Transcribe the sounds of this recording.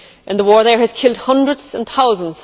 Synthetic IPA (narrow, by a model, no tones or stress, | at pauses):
ʔə̃nðəwɔɹðə˞ɨz̥kʰɪlˠd̚hʌ̃ndɹədz̥ə̃nθaʊzə̃nz̥